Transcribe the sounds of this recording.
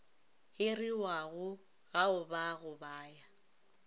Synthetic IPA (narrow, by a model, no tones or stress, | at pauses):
hɪriwaɣʊ | ɣaʊbaɣʊbaːja